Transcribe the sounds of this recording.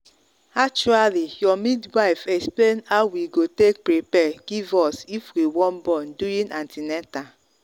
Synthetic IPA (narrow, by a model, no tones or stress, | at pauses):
ak̚t͡ʃualijɔmidwaɪfɛksplenhawiɡotek̚pɾipɛɡivɔsifwiwɔ̃nbɔ̃nduĩnãntʰinɛta